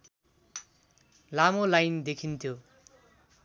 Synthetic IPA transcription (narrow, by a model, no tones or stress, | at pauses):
lamolajnd̪ekʰint̪ʰjo